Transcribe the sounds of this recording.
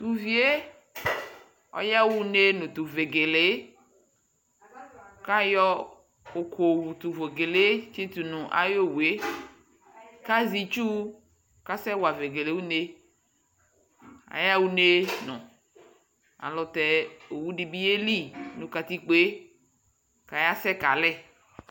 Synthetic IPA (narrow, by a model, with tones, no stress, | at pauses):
t̪u˨vi˦e˦ | ɔ̰˦ja˦wu˦ne˦nʊ̃˨t̪u˨ve˨ɡe˨le˨˦ | ka˦jɔ˦ | o˨kʰo˨wu˨t̪u˨vo˨ɡe˨le˦t͡ʃi˦t̪u˨nũ˨ʔa̰˨jo˦wu˨e˦ | ka˦zi˨t͡ʃu˦ | ka˦sɛ˦wa˨ve˨ɡe˨le˨wu˦ne˦ | a̰˨ja˦wu˦ne˦nʊ̰̃˨ | a̰˨lʊ˨t̪ɛ˨o˨wu˦di˨bi˦e˦li˦˨nũ˨ka˨t̪i˦k͡pe˦ | ka˨ja˦sɛ˦ka˨lɛ˦˨